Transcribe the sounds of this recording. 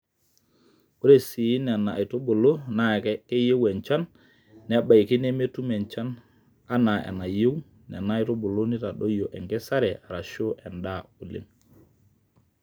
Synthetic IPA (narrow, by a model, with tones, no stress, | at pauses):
u˦ɾe˨si˨i˦nɛ˨na̰˨i˨to˦bo˨lo˦na˨kɛ˦ke˦je˦wɛ˨nt͡ʃa˦nː | ɛ˨˦ba˨jki˦ne˦me˦tu˦mɛ˨nt͡ʃa˦n | a˦na˨ɛ̰˨na˨je˦w | nɛ̰˨na˦i˨to˦bo˨lo˦ni˦ta˨ɗo˦jo˨ʔɛ˨ŋɡɛ˦sa˦ɾɛ˨ʔa˨ɾa˨ʃo˦ʔɛ˨nda˦u˨lḭ˦n